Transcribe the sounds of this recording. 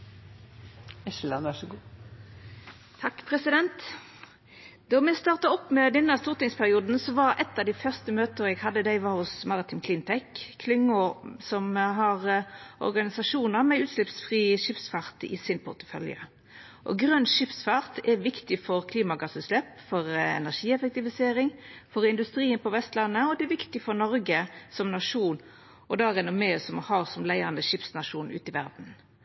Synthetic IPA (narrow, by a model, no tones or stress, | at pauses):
ɛʃlɑnʋæʂɔɡuː | t̪ʰɑkːpʰʁɛsɪd̪ɛnt̪ | d̪ɔʁmɛst̪ɑːʁt̪ɑɔpːmɛd̪ɛnːəst̪uːʁt̪ɪŋspʰæʁɪuːd̪n̩sɔʋɑɾɛt̪ːɑːʋd̪æɪfœʁst̪əmøːt̪əʁɛɡhɑd̪ːəd̪æɪʋɑʁhʊsmɑʁɪt̪ʰɪmkʰlɪnt̪ʰɛkkʰːlʏŋːʊsɔmɦɑʁʔɔ̰ʁɡɑnɪsɑʂuːnəʁmɛʉːt̪ʃlɪpsfʁiːəʂɪpsfɑʁt̪ɪ̰sɪnpʰʊʁt̪ə̥fœ̰ljə̰ | ʔɔ̰ɡʁœnʃɪpsfɑʁt̪ʰɛʋɪkt̪ɪfɔʁkʰliːmɑɡɑsʉslɛpfɔʁɛ̰næʂiːɛfɛk̚t̪ɪʋɪseːɾɪŋfɔɾɪnd̪ʉst̪ɾiːənpɔʋɛst̪lɑnːəɔd̪ɛɛʋɪkt̪ɪfɔɾnɔɾɡəsɔmnɑʂuːn | ɔd̪ɑʁɛnɔmɛːsɔmhɑʁsɔmlæɪɑnd̪əʂɪpsnɑʂuːnʉ̰ːt̪ɪʋæɾd̪n̩